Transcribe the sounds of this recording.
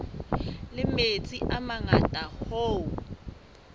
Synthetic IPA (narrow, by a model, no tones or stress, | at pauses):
lɪmet͡sʼiʔamaŋatʼahoːu